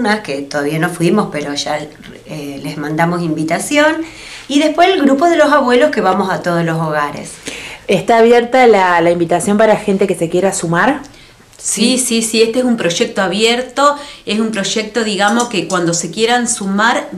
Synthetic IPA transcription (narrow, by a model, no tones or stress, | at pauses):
nasket̪oðaβianofwimo̞speɾo̞ʒa | elezmãnd̪amosimbit̪asjon | iðehpweselɣɾupoðelo̞s̬aβwe̞loske̞βamosat̪oð̞oslosoɣaɾḛseht̪aːβjeɾt̪alalaimbit̪asjo̞mpaɾaxe̞nt̪ekese̞kje̞ɾasumaɾ | sisisiest̪ees̬umpɾo̞ʒek̚t̪oaβjeɾt̪o̞esumpɾo̞ʒek̚t̪o̞ðiɣamo̞skekwand̪ose̞kjeɾansumaɾ